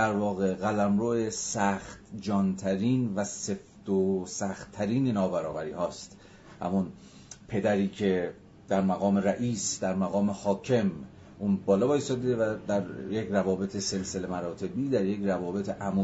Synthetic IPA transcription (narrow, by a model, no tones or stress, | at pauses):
d̪æɾvɒːɣeɣælæmɾoːʔesæxt̪d͡ʒɒːnt̪ʰæɾiːnvæse̞ft̪osæxt̪ʰːæɾiːnenɒːbæɾɒːbæɾiːhɒːst̪ | hæ̰mun | pʰe̞d̪æɾiːkʰe̞ | d̪̥æɾmæɣɒːme̞ɾæʔiːsd̪̥æɾmæɣɒːme̞hɒːcʰe̞m | ʔuːnbɒːlɒːbɒːisɒːd̪eevæd̪æɾjecrævɒːbe̞t̪ʰese̞lse̞lemæɾɒːt̪ʰe̞biːd̪æɾjecrævɒːbe̞t̪ʰeʔæmu